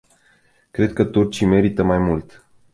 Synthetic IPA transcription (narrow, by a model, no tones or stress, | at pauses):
kɾe̞d̪̚kət̪urt͡ʃime̞ɾit̪əmajmult̪